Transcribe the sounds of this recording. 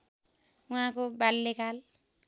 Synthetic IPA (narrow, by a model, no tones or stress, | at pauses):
uɦãkobalːekal